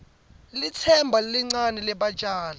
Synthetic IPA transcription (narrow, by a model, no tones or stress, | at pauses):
litʰɛmbʱaliŋ͡ǀanɛlɛɓḁt͡ʃʼaːla